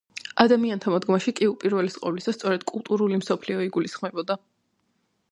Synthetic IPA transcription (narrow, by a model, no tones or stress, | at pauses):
ad̪amiant̪ʰamɔd̪ɡmaʃikʼiupʼiɾvɛlisqʼɔvlisast̪sʼɔɾɛd̪̥kʼulˠt̪ʼuɾulimsɔpʰliɔiɡulisχmɛbɔd̪a